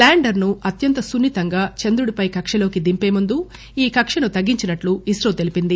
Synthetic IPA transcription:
laːɳɖɐɾnuɐt̪jɐnt̪ɐsunːit̪ɐŋɡaːt͡ʃend̪ɾuɽipɐjkɐkʂɐlo̞ːkid̪impe̞ːmund̪u | iːkɐkʂɐnut̪ɐɡːiɲt͡ʃinɐʈluisɾɐwt̪e̞lipind̪i

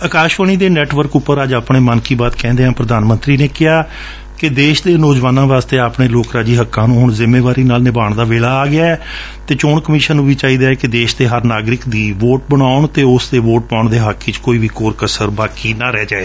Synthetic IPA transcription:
əkaːʃʋəɳ̃iːd̪eːnɛːʈʋəɾkʊpːəɾəd͡ʒaːpɳeːmənkiːbaːt̪kɛ̃ːnd̪eːɦãːpɾəd̪aːnmənt̪ɾiːneːkɪɦaː | kɪd̪eːʃd̪eːnoːd͡ʒʋaːnãːʋaːst̪eːaːpɳeːloːkɾaːd͡ʒiːɦəkːãːnũːɦʊɳzɪmeːʋaːɾiːnaːlnɪbaːɳd̪aːʋeːlaːɡɪaːɛː | t̪eːt͡ʃoːɳkəmiːʃənːũːʋiːt͡ʃaːiːd̪aːɛkɪd̪eːʃd̪eːɦəɾnaːɡɾɪkd̪iːʋoːʈbəɽ̃aːʊɳt̪eːʊsd̪eːʋoːʈ̚pãːʊɳd̪eːɦakʰːiːt͡ʃkoːiːʋiːkoːɾkəsəɾbaːkiːnaːɾɛːd͡ʒaːeː

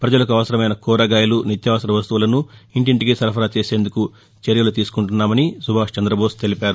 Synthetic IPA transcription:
pɾɐd͡ʒɐlɐkuɐʋɐsɐɾɐmɐjnɐkɔːɾɐɡaːjɐlunit̪jaːʋɐsɐɾɐʋɐst̪uʋulɐnuiɳʈiɳʈiɡisɐɾpʰɐɾaːt͡ʃeːse̞ːnd̪uku | t͡ʃeɾjɐlut̪iːsu̥kuɳʈunːaːmɐnisubʱaːʂt͡ʃɐnd̪ɾɐboːst̪e̞lipaːɾu

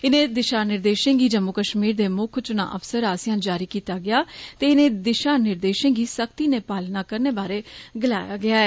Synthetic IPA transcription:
ɪnẽːd̪ɪʃaːnːɪɾd̪eːʃẽːɡiːd͡ʒəmokəʃmiːɾd̪eːmʊkʰt͡ʃʊna̰ːʔəfsəɾaːsɪjãːnd͡ʒaːɾiːkiːt̪aːɡɪaːt̪eːɪnẽːd̪ɪʃaːnːɪɾd̪eːʃẽːɡiːsəkt̪iːneːpaːlnaːkəɾneːbaːɾeːɡɪlaːjaːɡɪaːɛː

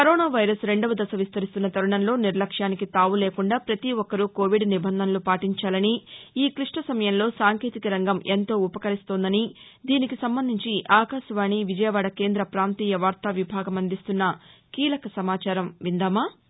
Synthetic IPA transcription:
kɐɾoːnaːʋɐjɾɐsɾe̞ɳɖɐʋɐd̪ɐsɐʋist̪ɐɾist̪unːɐt̪ɐɾuɳɐnlo̞ːniɾlɐkʂaːnikit̪aːʋuleːkuɳɖaːpɾɐt̪iʋɔkːɐɾuko̞ːʋiɖnibʱɐnd̪ʱɐnlupaːʈiɲt͡ʃaːlɐniːkɾiʂʈɐsɐmɐjɐmlo̞ːsaːŋkeːt̪ikɐɾɐŋɡɐme̞nt̪o̞ːupɐkɐɾist̪oːnd̪ɐni | d̪iːnikisɐmbɐnd̪ʱiɲt͡ʃiʔaːkaːʃɐʋaːɳiʋid͡ʒɐjɐʋaːɽɐke̞ːnd̪ɾɐpɾaːnt̪iːjɐʋaːɾt̪ɐʋibʱaːɡɐmɐnd̪ist̪unːɐkiːlɐkɐsɐmaːt͡ʃaːɾɐmʋind̪aːmaː

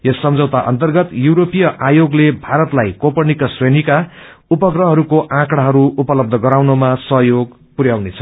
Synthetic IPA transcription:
jʌsːʌmd͡zʌwt̪aʔʌ̰nt̪ʌrɡʌt̪juwɾopijʌʔajoɡlebʱaɾʌt̪lajkopʌnikʌsrenika | upʌɡrʌɦʌɾukoʔãkɽaɦʌɾuupʌlʌb̚d̪ʱʌɡʌɾawnomasʌɦjoɡ | puɾjawnet͡sʰʌ̥

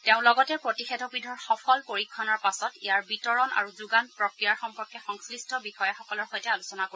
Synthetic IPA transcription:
tɛʊ̃lɔɡɔtɛpɹotixɛdʰʱɔbidʱɔɹxɔpʰɔlpoɹikʰːɔnɔɹpasɔtḭjaɹbitɔɹɔna̰ɹuzuɡanpɹɔkɹijaɹxɔmpɔɹkɛxɔŋslistʰɔbixɔjaxɔkɔlɔɹxɔjtɛalusɔnako

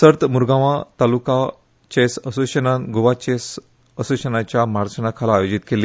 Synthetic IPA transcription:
səɾt̪muɾɡãʋãt̪aluka | t͡ɕesəsuɕənaɡoʋat͡ɕes | əsuɕənat͡ɕjamaɾt͡ɕənakʰalaːjod͡ʑit̪keli

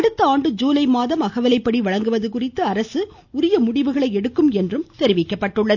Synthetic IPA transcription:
ɐɽɯt̪ːɐaːɳɖɯd͡ʒuːlɐɪmaːðɐmɐɣɐʋɐlɐɪpːɐɽiʋɐɻɐŋɡɯʋɐðɯkʊrɪt̪ːɯɐɾɐsɯ | ʊɾɪjɐmʊɽɪʋɯɣɐɭɐɪɛɽɯkːɯmɛndrɯmt̪ɛɾɪʋɪkːɐpːɐʈːɯɭːɐð

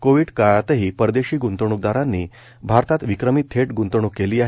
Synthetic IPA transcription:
koʋiːɽkajat̪əɦiːpəɾd̪eɕiːɡunt̪əɳ̃uk̚d̪aɾãnːiː | bʱaɾt̪at̪ʋikɾəmit̪ʰːeʈɡunt̪əɳukːeliːaɦ

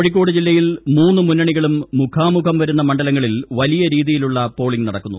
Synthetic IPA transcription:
oɻik̬ʲːo̞ːɽɨd͡ʑilːɐjilmuːnːɨmunːɐɳiɣɐɭumːukʰaːmukʰɐmʋɐɾunːɐmɐɳɖɐlɐŋːɐɭilʋɐlijɐɾiːðijiluɭːɐpo̞ːɭiŋɡnɐɽɐkːunːu

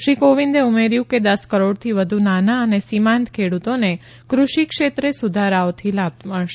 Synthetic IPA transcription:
ʃikoʋind̪eumeɾjũked̪əskəɾoɽt̪ʰiʋəd̪ʱunanaənesimãnt̪kʰeɽut̪one | kɾuʃikʃet̪ɾesud̪ʱaɾaot̪ʰilab̚t̪məɭʃe

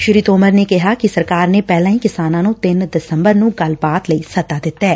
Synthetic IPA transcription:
ʃɪɾiːt̪oːməɾnekɪɦakisəɾkaːɾnepɛːlãːɦĩːkɪsaːnãːnũt̪ɪnd̪ɪsə̃mbəɾnũːɡəlbaːt̪ləisət̪aːd̪ɪt̪ːɛː

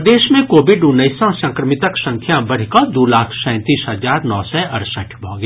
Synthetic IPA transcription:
d̪eːʃmẽkoːʋɪɖʊnːəjsãsɐ̃ŋkɾəmɪt̪əksɐ̃ŋkʰjabɐɽ̤ikad̪oːlaːkʰsɛ̃ːt̪iːsɦɐzaːɾnɔːsɛʔɐɾsəʈʰbʱɔ̰̃ːɡ

